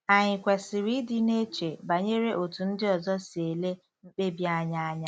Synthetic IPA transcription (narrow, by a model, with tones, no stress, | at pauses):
a˨ɲɪ˨kʷe˨sɪ˨ɾi˦dɪ˦ne˦t͡ʃe˨ba˨ɲe˦ɾe˦ʔo˨tu˨n̩˦dɪ˦ɔ˨zɔ˦si˨e˨le˦ | ŋ͡m̩˦k͡pe˦bja˦ɲa˦a˦ɲa˦